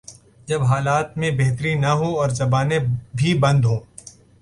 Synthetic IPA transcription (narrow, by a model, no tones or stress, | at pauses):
d͡ʒɐbɦaːlaːt̪mẽbeɦt̪ɾinɐɦõɔːɾzɐbaːnebʱibɐ̃nd̪ɦõː